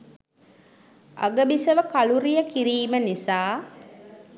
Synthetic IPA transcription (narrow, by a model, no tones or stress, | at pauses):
ʔɐ̰ɡəbisɐʋəkɐluɾijəkiɾiːmənisaː